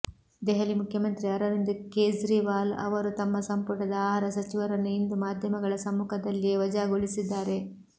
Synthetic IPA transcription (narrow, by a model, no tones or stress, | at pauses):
d̪ɛɦɐlimukʰjɐmɐnt̪ɾiɐɾɐɾind̪ukeːsɾiːʋaːlɐ̰ʋɐɾut̪ɐmːɐsɐmpuʈɐd̪ɐaːɦaːɾɐsɐt͡ʃiʋɐɾɐnːuind̪umaːd̪ʱjɐmɐɡɐɭɐsɐmːuːkʰɐd̪ɐlːijeʋɐd͡ʒaːɡoɭisid̪ːaːɾe̞